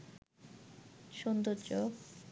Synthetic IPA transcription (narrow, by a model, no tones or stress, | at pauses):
ʃond̪ot͡ɕo